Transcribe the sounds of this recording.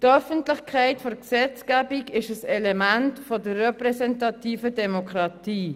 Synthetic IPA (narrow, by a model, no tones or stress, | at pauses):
tœfəntlɪχkʰaɪtfoɾksɛt͡skabiɡɪʃəsɛlɛmantfodəːɛpʁɛsɛntɑtiːfədɛmokʁɑtiː